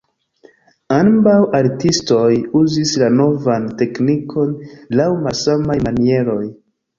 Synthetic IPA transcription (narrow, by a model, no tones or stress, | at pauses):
anbawaɾtisto̞juzislano̞vante̞knikʰo̞nlawmasamajmanie̞ɾo̞j